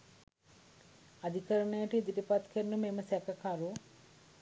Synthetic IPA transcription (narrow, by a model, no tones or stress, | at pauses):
ad̪ʱikəɾəɳəjəʈəid̪iʈəpat̪kʰəɾnumeməsɛkəkaɾu